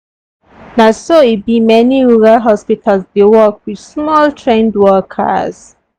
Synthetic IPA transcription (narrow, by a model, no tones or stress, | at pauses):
nasoibimɛniɹuɹalɦɔspitʰalsdewɔkwid̥smɔltʰɹẽndwɔkʰə̰z̥